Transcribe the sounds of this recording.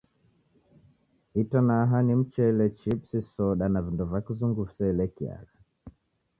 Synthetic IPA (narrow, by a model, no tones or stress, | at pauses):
itanaːɦanim̩t͡ʃɛilɛt͡ʃipsisɔɗanavindɔvakizuŋɡufsɛilɛkia̰ɣa